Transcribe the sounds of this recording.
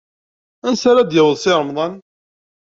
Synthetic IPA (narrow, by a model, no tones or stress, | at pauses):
ænsaɾad̪jəwəðˤsɪɾˤəmðˤɑn